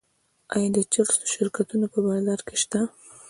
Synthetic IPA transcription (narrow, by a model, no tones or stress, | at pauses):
ajɑd̪ət͡ʃaɾso̥ʃɪɾkat̪unopəbɑzaɾkeʃt̪a